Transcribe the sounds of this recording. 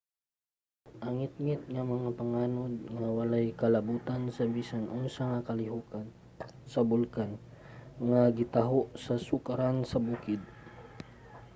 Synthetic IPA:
ʔɐŋɪt̪̚ŋɪt̪̚ŋamɐŋapɐŋaːnod̪̚ŋawɐlajkɐlɐbuːt̪ansɐbiːsanʔoŋsɐŋakɐlɪɦukan | sɐbʊlkan | ŋaɡɪt̪aɦoʔsɐsʊkaɾansɐbuːkɪd̪̚

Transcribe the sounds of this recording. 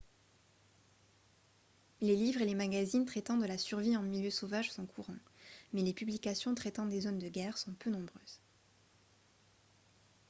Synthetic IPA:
lelivʁelemaɡazint̪χɛt̪ɑ̃d̪əlasyʁviɑ̃miljøsovaʒsɔ̃kʰuʁɑ̃mɛlepyblikasjɔ̃t̪χɛt̪ɑ̃d̪ezond̪əɡʲɛʁsɔ̃pønɔ̃bʁøːz̥

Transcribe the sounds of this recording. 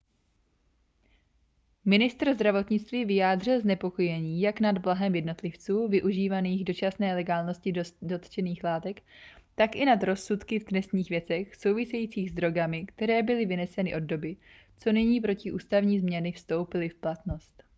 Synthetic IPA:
mɪnɪst̪rzd̪ɾavo̞t̪ɲɪt͡st̪viːvɪjaːd̪r̝ɪlznɛpo̞ko̞jɛɲiːjaknad̪blaɦɛmjɛdno̞t̪lɪft͡suːvɪʔuʒiːvaniːɣdo̞t͡ʃasnɛːlɛɡaːlno̞scɪdo̞t̪t͡ʃɛniːxlaːt̪ɛkt̪akʔɪnad̪ɾo̞sːut̪kɪvd̪nɛst̪ɲiːxvjɛt͡sɛxso̞wvɪsɛjiːt͡siːɣzd̪ɾo̞ɡamɪkt̪ɛɾɛːbɪlɪvɪnɛsɛnɪʔo̞ddo̞bɪ | t͡so̞nɪɲiːp̬ɾo̞cɪʔuːst̪avɲiːzmɲɛnɪfst̪o̞wpɪlɪfplat̪no̞st̪

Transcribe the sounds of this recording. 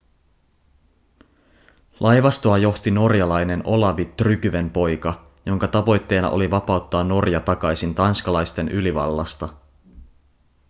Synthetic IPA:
lʔɑjʋɑst̪oɑjo̞xt̪ino̞rjɑlɑjne̞nʔo̞lɑʋit̪ːrykyʋempo̞jkɑ | jo̞ŋkɑt̪ɑʋo̞jt̪ːe̞ːnɑ̰ʔo̞̰liʋɑpɑut̪ːɑːnːo̞rjɑt̪ɑkɑjsint̪ɑnskɑlɑjst̪e̞nʔyliʋɑ̰lːɑ̰st̪ɑ

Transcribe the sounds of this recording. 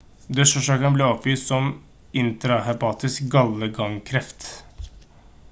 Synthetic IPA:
d̪œʂɔʂɑːkənəbleːɔpʋiːst̪sɔm | ɪnt̪ɾɑhɛpɑːt̪ɪskɡɑlːəɡɑŋkʰɾɛft̪

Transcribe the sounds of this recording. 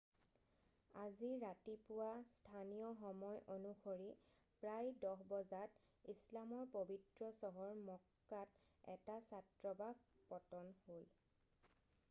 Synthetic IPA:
aziɹatipʊwastʰanijɔxɔmɔjʔonuxoɹi | pɹajdɔɦbɔzat | islamɔɹpobitɹɔsɔɦɔɹmɔkːat | ɛ̰tasatɹɔbaɡpɔtɔnhol

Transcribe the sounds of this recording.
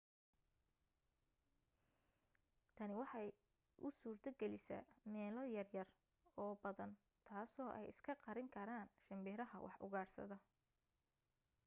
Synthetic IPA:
t̪ʰɐnɪwɑħɑj | ʔʊ̰suːrt̪ʰɐɡɛlɪsɐ̰mɛːlɐjɐrjɐr | ɔːbɐðɐn | t̪ʰaːsɔːʔɛ̰jɪ̰skʰɐqɑɾɪŋkʰɐɾaːnʃɐmbɛɾɐɦɐ̰wʔɑ̰ħʔʊ̰ɣaːrsɐ̰ðɐ

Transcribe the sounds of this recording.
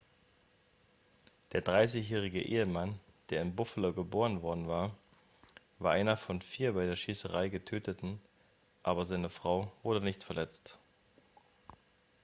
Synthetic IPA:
d̥eːɐdʁaɪsɪçjɛːʁ̞ɪɡə̰ʔḛːəman | d̥eːɐɪnbʊfəloɡəboːʁənvɔɐdn̩vaːɐ | vaːʔaɪnɐfɔnfiːɐbaɪdeːɐʃiːsəʁ̞aɪɡətʰøːtətn̩ | ʔaːbɐzaɪnəfʁ̥aʊv̥ʊɐdənɪçtfɛɐlɛt͡st

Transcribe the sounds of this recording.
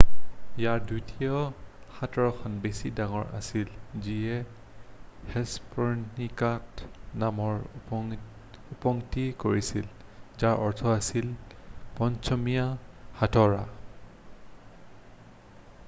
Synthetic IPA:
ijaɹdujtiɔxatɔɹɔkʰɔnbesidaŋɔɹʔa̰silziɛ | hɛspɔnikatnamɔɹ | upɔŋtikoɹisilzaɹʔɔɹtʰɔasil | pɔnsɔmijahatɔɹa̰

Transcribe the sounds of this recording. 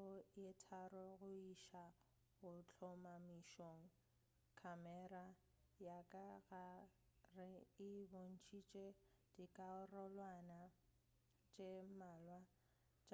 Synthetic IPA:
ʊjɪtʰarɔɣʊiʃa | ɣʊt͡ɬʰɔmamiʃoŋ̩ | kʰamɛra | jakʼaɣarɪɪbon̩t͡ʃʰʼit͡ʃʼe | d̥ikʼaʊrɔlwana | t͡ʃʼemaːlwa | t͡ʃʼ

